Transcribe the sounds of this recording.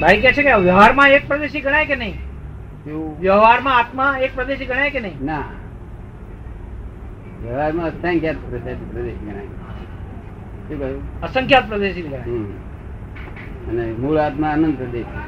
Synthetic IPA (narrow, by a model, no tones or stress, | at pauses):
bʱaikɛt͡ʃʰekeaʋjəɦaɾmãek̚pɾəd̪eʃiɡəɽ̃ajkenəɦĩ | ʋjəʋɦaɾmãat̪mãek̚pɾəd̪eʃiɡəɽ̃ajkenəɦĩna | ʋjəʋɦaɾmãət̪ʰãŋkjat̪pɾəsasipɾəd̪eʃɡəɽ̃a̰j | ʃukəjuəsəŋkʰjat̪̚pɾəd̪eʃiiɡə̃aj | ənemuɭat̪maːnənd̪pɾəd̪eʃ